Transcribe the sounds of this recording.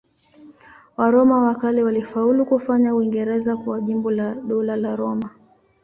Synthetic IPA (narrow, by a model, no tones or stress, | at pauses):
waɾɔmawakaliwalifaulukufaɲauiŋɡɛɾɛzakuaʄimbɔlaɗɔlalaɾɔma